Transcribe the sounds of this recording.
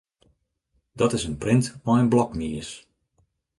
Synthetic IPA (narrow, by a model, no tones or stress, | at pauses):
d̥ɔtɪsənprɪntmɔənblɔkmiəs